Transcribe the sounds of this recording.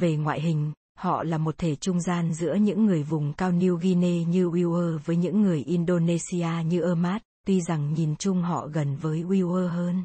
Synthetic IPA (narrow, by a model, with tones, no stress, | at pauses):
ve˨˩ŋwa̰ː˧˨jɦï˨˩ŋ̟ | hɔ̰˧˨laː˨˩mo˨˩t̚t̪ʰe˧˩t͡ɕʊ˧ŋ͡mzaː˧nzɨ̰˧˥əɲɨ̰˧˥ŋːɨ˨˩əjvʊ˨˩ŋ͡mkaː˧wni˧wɣi˧ne˧ɲɨ˧ʔwi˧wʔəː˧vəː˨˦jɲɨ̰˧˥ŋːɨ˨˩əjʔi˧nɗo˧ne˧si˧aː˧ɲɨ˧ʔəː˧maː˦˥t̚t̪wi˧za˨˩ŋɲi˨˩nt͡ɕʊ˧ŋ͡mɦɔ̰˧˨ɣə˨˩nvəː˨˦jʔwi˧wʔəː˧ɦəː˧n